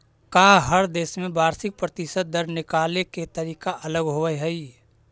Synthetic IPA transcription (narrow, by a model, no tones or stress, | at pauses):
kaːɦəɾd̪eːʃmẽbaːɾsɪk̚pɾət̪ɪsəd̪̚d̪əɾnɪkaːleket̪əɾiːkaʔɐləɡɦoəeɦɛi